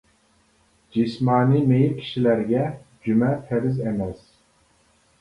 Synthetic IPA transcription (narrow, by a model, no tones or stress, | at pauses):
d͡ʒismɑːnimejiɾkʲʰi̥ʃilæɾɡʲɛd͡ʒymɛt̪ʰɛɾɪzɛmɛs